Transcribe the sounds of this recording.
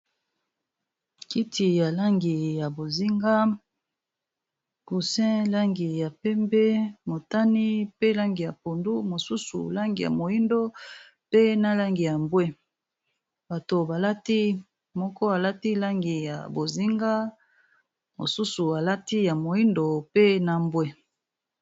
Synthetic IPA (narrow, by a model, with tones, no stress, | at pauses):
ki˦tʰi˨ja˨la˦ŋɡi˨ja˨bo˨zi˦ŋɡa˦ | ku˨sɛ̃˦la˦ŋɡi˨ja˨pɛ˦mbɛ˦mo˨ta˦ni˦pe˦la˦ŋɡi˨ja˨po˨ndu˦mo˨su˦sṵ˨la˦ŋɡi˨ja̰˨mo˨i˦ndo˦ | pe˦na˦la˦ŋɡi˨ja˨mbwe˦ | ba˨to˨ba˨la˦ti˦ | mɔ˦kɔ˦a˨la˦ti˦la˦ŋɡi˨ja̰˨bo˨zi˦ŋɡa˦ | mo̰˨su˦su˨a˨la˦ti˦ja˨mo˨i˦ndo˨pe˦na˨mbwe˦